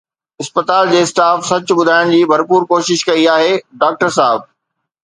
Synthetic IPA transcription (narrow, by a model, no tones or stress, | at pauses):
ɪspət̪aːld͡ʑeːsʈaːfsɐt͡ɕʊbʊd̪ʱaːɪɽ̃d͡ʑiːbʱɐɾpuːɾkoːʃɪʃkɐiaːɦeːɖaːk̚ʈəɾsaːɪb̚